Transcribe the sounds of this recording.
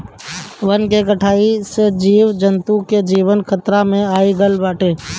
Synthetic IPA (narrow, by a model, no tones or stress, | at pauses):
ʋənkeːɡəʈʰaːised͡ʒiːʋd͡ʒənt̪uked͡ʒiːʋənkʰət̪ɾamẽaːiːɡəlbaːʈeː